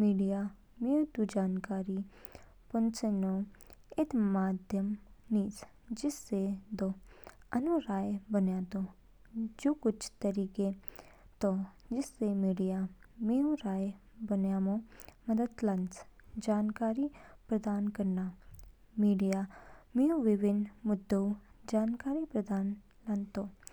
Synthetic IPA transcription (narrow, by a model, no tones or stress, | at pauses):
miːɖija | miut̪ud͡ʒaːnkaːɾi | pʊnt͡ʃeno | ɪt̪maːd̪ʱjəmniːs | d͡ʒɪsːed̪oənuɾaːjbənjaːt̪o | d͡ʒoːkʊt͡ʃʰt̪əɾiːket̪od͡ʒɪsːemiːɖijamiũɾaː | bənjaːmõːməd̪əd̪lɐnsd͡ʒaːnkaːɾipɾəd̪aːnkəɾnaː | miːɖijaːmiũʋɪʋɪnmʊd̪ːəud͡ʒaːnkaːɾipɾəd̪aːn | lənt̪oː